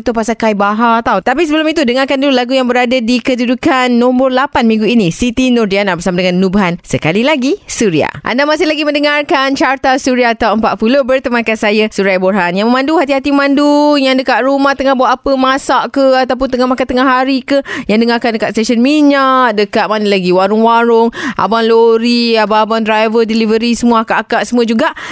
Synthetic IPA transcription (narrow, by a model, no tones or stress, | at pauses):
t̪upasakaibaɦat̪awt̪apisəbəlʊmit̪̬udəŋarkanduulaɡujaŋbəɾadadikədudukanːɔ̃mbərlapanmĩŋɡuinĩsit̪inɔrdianabərsamadəŋãnːubaɦansəkalilaɡisuɾia̰ʔa̰ndamasɪhlaɡimə̃ndəŋarkant͡ʃart̪asuɾiat̪awəmpaʔfulobərt̪əmankansajasuɾajborɦanjaŋməmãnduɦat̪iɦat̪iməmãndujaŋdəkaʔɾumaht̪əŋahbuat̪apəmasaʔkəat̪awp̬ʊnt̪əŋahmakat̪əŋahɦaɾikəjaŋdəŋarkandəkat̪st̪eʃənmiɲaʔdəkat̪̚manəlaɡiwaɾʊŋwaɾʊŋʔa̰banloɾiabaabandɾajvədilivəɾisəmuaakaʔkaʔsəmũad͡ʒuɡaʔ